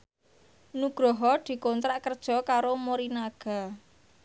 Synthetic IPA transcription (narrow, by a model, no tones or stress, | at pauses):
nuɡ̥ɾɔɦɔd̪̥i̤kɔnt̪ɾaʔkərd̥ʒ̥ɔ̤kaɾomoɾinaɡ̥a̤